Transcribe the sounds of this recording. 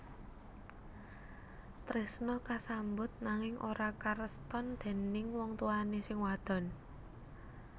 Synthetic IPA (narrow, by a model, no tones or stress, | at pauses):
t̪ɾesnɔkasambʊt̪̚naŋɪŋʔo̰ɾakaɾəst̪ɔnd̪̥e̤nɪŋwɔŋt̪uanesɪŋwad̪̥ɔ̤n